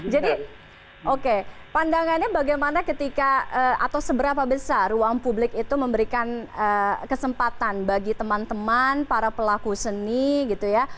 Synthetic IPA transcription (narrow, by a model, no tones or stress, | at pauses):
d͡ʒadi | ʔokepandaŋanɲabaɡajmanakət̪ikaəa̰t̪awsəbəɾapabəsaruaŋpublɪkit̪uməmbəɾikanəkəsəmpat̪anbaɡit̪əmant̪əmanpaɾapəlakusəniɡit̪uja